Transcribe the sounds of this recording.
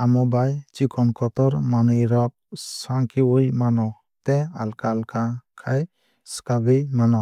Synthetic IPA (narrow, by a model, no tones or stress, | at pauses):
amɔbajt͡ʃikɔnkɔt̪ɔɾmanujɾɔp̚saŋkiwujmanɔ | t̪ɛalkalkakʰaj | skaɡɯjmanɔ